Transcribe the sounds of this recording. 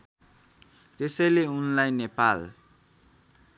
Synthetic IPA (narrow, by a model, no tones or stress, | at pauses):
t̪esʌjleunlajnepal